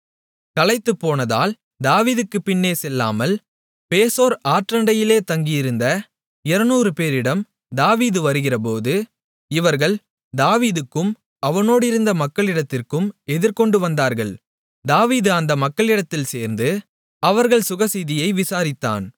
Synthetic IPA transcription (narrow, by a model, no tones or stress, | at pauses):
kɐlɐɪt̪ːɯpːoːnɐða̰ːl | d̪aːʋiːðɯkːɯpːɪnːeːsɛlːa̰ːmɐl | peːsoːɾaːʈrɐɳɖɐjɪleːt̪ɐŋɡɪjɪɾɯnd̪ɐ | ɪɾɐnuːɾɯpeːɾɪɽɐm | d̪aːʋiːðɯʋɐɾɯɣɪrɐpoːðɯ | ɪʋɐɾɣɐɭ | d̪aːʋiːðɯkːɯm | ɐʋɐnoːɽɪɾɯnd̪ɐmɐkːɐɭɪɽɐt̪ːɪrkɯmɛðɪɾkɔɳɖɯʋɐnd̪aːɾɣɐɭ | d̪aːʋiːðɯɐnd̪ɐmɐkːɐɭɪɽɐt̪ːɪlseːɾnd̪ɯ | ɐʋɐɾɣɐɭsʊɣɐsiðɪjɐɪʋɪsaːɾɪt̪ːa̰ːn